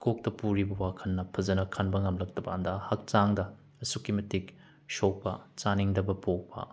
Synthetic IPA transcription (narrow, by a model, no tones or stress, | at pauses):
kok̚tɐpuɾibɐwakʰɐnːɐpʰɐzɐnɐkʰɐnbɐŋɐmlɐk̚tɐbɐːndahɐk̚t͡ʃaŋdɐ | ɐsukimɐtik | ʃok̚pɐt͡ʃaniŋdɐbɐpok̚pɐ̰